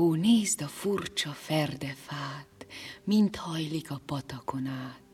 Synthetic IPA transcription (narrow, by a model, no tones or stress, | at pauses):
oːneːzd̪ɒfurt͡ʃɒfɛrd̪ɛfaːt̪mint̪hɒjlikɒpɒt̪ɒkonaːt̪